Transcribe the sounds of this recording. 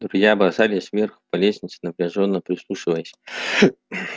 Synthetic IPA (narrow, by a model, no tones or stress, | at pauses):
d̪ɾʊzʲjabzalʲɪəsmʲerxbɐlʲesʲnʲɪt̪sə̥nəpɾʲɪʐonːəpɾʲɪslˠuʂɨvəjəsʲ